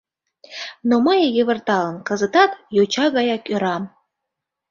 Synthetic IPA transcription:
noməjjə̆βə̆rt̪ɑlə̆nkə̆zə̆t̪ɑt̪jot͡ɕɑɣɑjɑkøɾɑm

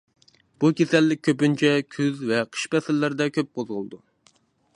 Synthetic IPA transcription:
b̥ukʲʰesɛlːɪk̚ʲʰːøpynt͡ʃʰɛkʲʰyzvɛqʰə̥ʃpɛsɪlːɪɾd̪ɛkʲʰøp̚qʰozʁʊlˠd̪u

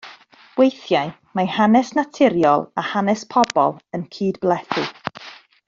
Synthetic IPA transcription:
wejθjaj | mahanɛsnatʰɪɾjɔlˠahanɛspʰɔbɔ̰lˠənkʰiːdblˠɛθɨ

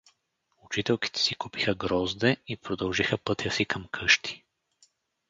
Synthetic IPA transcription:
ʊt͡ʃit̪ɛlˠki̥t̪ɛ̥sikupixəɡɾɔzd̪ɛipɾod̪ɐlˠʒixəpɤt̪jəsikəmkʰɤʃt̪i̥

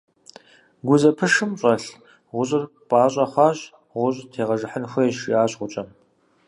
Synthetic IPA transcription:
ɡʷʊzɐpʰɨʂɨmɕʼɐɬ | ʁʷʊɕʼɪr | pʼaːɕʼɐχʷɑːɕ | ʁʷʊɕʼtʰeːʁɐʒɨħənxʷɐjɛʃiaːɕʼʁʷʊt͡ʃʼɐm

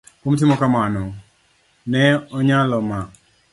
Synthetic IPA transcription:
komtɪmɔkamanɔ | nɛɔɲalɔma

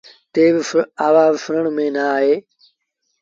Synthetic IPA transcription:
t̪eːʋɪaːʋaːʋfɪɾəɳ̃mẽːnaaːɦeː

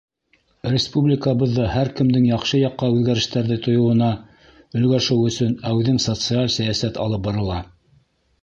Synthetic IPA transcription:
rʲɪspublʲɪkəβɤ̆ðːɤhæɾkɘ̆md̪ɘŋjɑχʃɤjɑqːɑʉðɡæɾɘ̆ʃt̪æɾðɘt̪ʰŏjŏwɤ̆nɑ | ɵ̆lɡæʃɘwɵ̆sɵnæðɘŋsot̪sɨalʲsæjæsæt̪ɑ̰lˠɤp̚bɑɾɤ̆lˠɑ

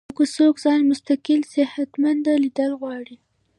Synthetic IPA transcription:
kosokzɑnmʊst̪akɪlsɪhat̪mand̪alid̪əlɣwɑɽi

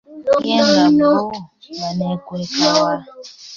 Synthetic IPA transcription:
eanɔnanekʷekawa

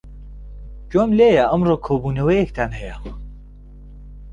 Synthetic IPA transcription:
d͡ʒomleːjɐʔɐmroːkʰoːbuːnɐwɐjekt̪ʰanɦɛjɐ

